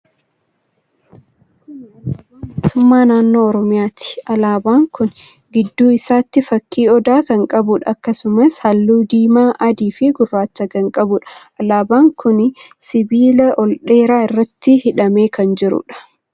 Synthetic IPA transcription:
mmmoːt̪ʊmːaːnaːnːo̞ːɔɾɔmɪjaːt̪i̥ʔɐlaːbaːŋkʊn | ɡɪd̪ːuːɪsaːt̪ːɪfɐkʰːiːɔd̪aːkɐŋkʼɐbʊᶑɐɐkːɐsʊmɐshɐlːuːd̪iːmaːʔɐd̪iːfɪɡʊrːaːt͡ʃːɐɡɐŋkʼɐbʊᶑɐ̥ʔɐlaːbaːŋkʊnɪ | sɪbiːlɐʔɔlᶑe̞ːɾaːɪrːɐt̪ːɪhɪᶑɐme̞ːkɐnd͡ʒɪɾʊ̰ᶑɐ̥

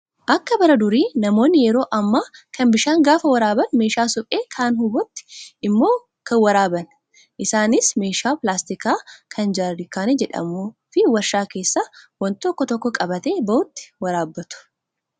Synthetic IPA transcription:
ʔɐkːɐbɐɾɐd̪ʊɾiːnɐmo̞ːnːɪjɛɾo̞ːʔɐmːaːkʰɐnbɪʃaːŋɡaːfɐwɐɾaːbɐnme̞ːʃaːsʊpʼe̞ːkʰaːnhʊbɔt̪ːɪ̥ʔɪmːo̞ː | kɐnwɐɾaːbɐn | ʔɪsaːnɪsme̞ːʃaːplaːst̪ɪkaːkʰɐnd͡ʒaːɾdɪkaːned͡ʒɛᶑɐ̰muːfɪwɐʃaːke̞ːsːaːwɐnt̪ɔkːɔt̪ɔkːɔkʼɐbɐt̪e̞ːbɐʔʊt̪ːɪ̥wɐɾaːbːɐt̪ʊ̥

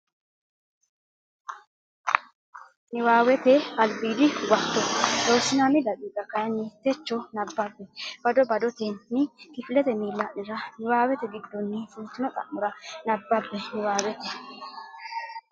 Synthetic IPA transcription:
nɪwaːwɛt̪ɛɐlbiːd̪ɪwɐt̪ːɔd̪oːsːɪnamɪd̪ɐkʼɪɡ̪ɐkɐjɐnːɪt̪ɛt͡ʃːɔnɐbːɐbːɛb̥ɐd̪ɔbɐd̪ɔt̪ɛnːɪkɪfɪlɛt̪ɛmiːlːɐʔnɪɾɐnɪwaːwɛt̪ɛɡɪd̪ːɔnːɪsʊnt̪ːɪnɔt̪ʼɐ̰ʔmːʊɾɐnɐbːɐbːɛnɪwaːwɛt̪ɛ̥

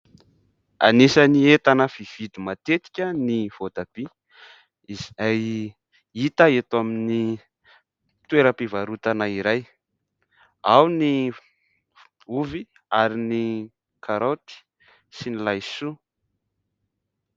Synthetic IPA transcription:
a̰nisaniet̪anəfiv̥id̪imat̪et̪i̥kʲəniv̥od̪ab̥i | zaj | it̪aet̪amini | t̪weɾəpivaɾut̪anaiɾaj | awni | uvi | aɾini | kʰaɾot̪i̥ | sinilajsu

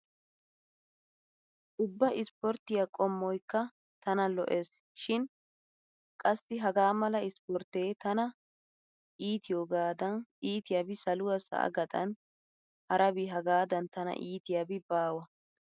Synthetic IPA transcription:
ʔʊbːɐʔɪspɔɾt̪ɪjɐkʼɔmːɔjkːɐ | t̪ɐnɐlɔ̰ʔe̞ːs | ʃɪn | kʼɐsːɪɦɐɡaːmɐlɐɪspɔɾt̪eːt̪ɐnɐ | ʔiːt̪ʰɪjoːɡaːd̪ɐnʔiːt̪ɪjaːbɪsɐlʊwɐsɐ̰ʔɐ̰ɡɐt̪ʼɐ̰n | hɐɾɐbɪɦɐɡaːd̪ɐnt̪ɐnɐ̰ʔiːt̪ɪjaːbɪbaːwɐ

